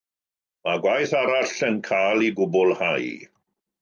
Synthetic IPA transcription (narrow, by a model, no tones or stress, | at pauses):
maɡwajθaɾaɬənkʰaːlˠiɡʊbʊlˠhaj